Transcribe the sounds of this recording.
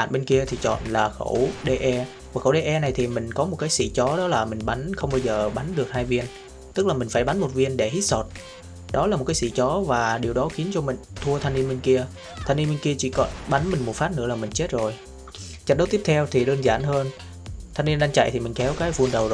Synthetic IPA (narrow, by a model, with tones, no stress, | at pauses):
a̰ː˧˨nɓe˧nki˧ət̪ʰi˨˩t͡ɕɔ̰˧˨nlaː˨˩xə̰˧˩wɗe˧ʔɛ˧ | vaː˨˩xə̰˧˩wɗe˧ʔɛ˧na˨˩jt̪ʰi˨˩mï˨˩ŋ̟kɔ˨˦mo˨˩t̚kaː˨˦jsḭ˧˥t͡ɕɔ˨˦ɗɔ˨˦laː˨˩mï˨˩ŋ̟ɓa˨˦nxə˧wŋ͡mɓaː˧wzəː˨˩ɓa˨˦nɗɨ˨˩ək̚haː˧jvi˧ən | t̪ɨ˦˥k̚laː˨˩mï˨˩ŋ̟faː˧˩jɓa˨˦nmo˨˩t̚vi˧ənɗe˧˩hi˦˥t̚so˨˩t̚ | ɗɔ˨˦la˨˩mo˨˩kaː˨˦sḭ˧˨t͡ɕɔ˨˦vaː˨˩ɗi˨˩əwɗɔ˨˦xi˨˦nt͡ɕɔ˧mï˨˩ŋ̟t̪ʰu˧ət̪ʰa˧jnːi˧nmi˧ŋ̟ki˧ə | t̪ʰa˧ni˧nmi˧ŋ̟ki˧ət͡ɕḭ˧˩kɔ˧˦nɓa˨˦nmï˨˩ŋ̟mo˨˩t̚faː˦˥t̚nɨ̰˧˥əlaː˨˩mï˨˩ŋ̟t͡ɕe˦˥t̚zo˨˩j | t͡ɕa˦˥t̚ɗə˨˦t̪i˦˥əp̚t̪ʰɛ˧wt̪ʰi˨˩ɗəː˧nzaː˧˩nhəː˧n | t̪ʰa˧nːi˧ənɗa˧ŋt͡ɕa̰˧˨jt̪ʰi˨˩mï˨˩ŋ̟kɛ˨˦wkaː˨˦jvu˧ənɗə˨˩wz